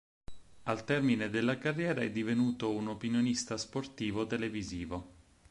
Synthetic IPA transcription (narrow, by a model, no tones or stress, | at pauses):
alt̪ɛrmined̪elːakarːjɛːɾaɛd̪ːivenuːt̪ounopinjonist̪asport̪iːvot̪eleviziːvo